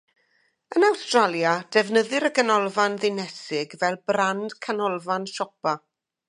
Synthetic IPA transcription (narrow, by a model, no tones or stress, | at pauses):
ənawstralˠjad̥ɛvnəðɨɾəɡənɔlˠvanðɪnɛsɪɡvɛlˠbrand̥kʰanɔlˠvanʃɔpa